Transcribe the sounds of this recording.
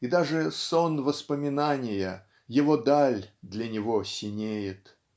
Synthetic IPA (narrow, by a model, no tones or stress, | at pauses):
id̪aʐɨsonvəspəmʲɪnanʲɪjə | jɪvod̪alʲd̪lʲənʲɪvosʲɪnʲejɪt̪